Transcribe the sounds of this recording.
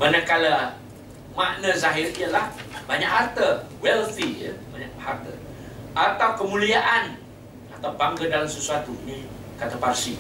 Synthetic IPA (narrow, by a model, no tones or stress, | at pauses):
manəkalə | maʔnəzaɦɪriəlahbaɲaʔhart̪ə | wɛlfijə̰baɲaʔhart̪ə | at̪awkəmuliaʔan | at̪awbaŋɡədalamsəsuat̪uni | kat̪əparsi